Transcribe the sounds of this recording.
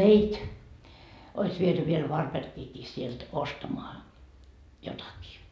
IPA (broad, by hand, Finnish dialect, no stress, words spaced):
meitʲ ois ʋiety ʋiel ʋɑrperkiːkiː sielt ostɑmoɑ jotɑkiː